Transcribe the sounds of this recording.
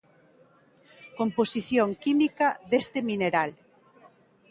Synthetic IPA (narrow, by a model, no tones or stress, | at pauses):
komposiθjoŋkimikaðest̪emineɾal